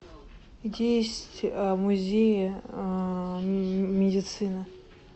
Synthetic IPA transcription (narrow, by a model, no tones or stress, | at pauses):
dʲejsʲtʲmuzʲejə | mʲɪdʲɪt̪sɨnə